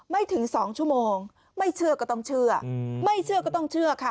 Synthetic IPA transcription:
ma˥˩jt̪ʰɯ˩˦ŋsɔː˩˦ŋt͡ɕʰu˥˩əmoː˧ŋ | ma˥˩jt͡ɕʰɯ˥˩ɐkɔː˥˩t̪ɔ˥˩ŋt͡ɕʰɯ˥˩ɐma˥˩jt͡ɕʰɯ˥˩ɐkɔː˥˩t̪ɔ˥˩ŋt͡ɕʰɯ˥˩ɐkʰa˦˥˩

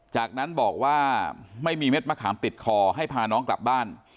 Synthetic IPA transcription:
t͡ɕaː˨˩k̚na˦˥nbɔː˨˩k̚waː˥˩ma˥˩jmiː˧me˦˥˩t̪̚ma˧kʰaː˩˦mt̪i˨˩t̪̚kʰɔː˧ɦa˥˩jpʰaː˧nɔː˦˥ŋkla̰˨˩p̚baː˥˩n

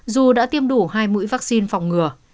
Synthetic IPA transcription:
zu˨˩ɗa̰ː˧˥t̪i˧əmɗu˧˩ɦaː˧jmṵ˧˥jvaː˦˥k̚si˧nfa˨˩wŋ͡mŋɨ˨˩ə

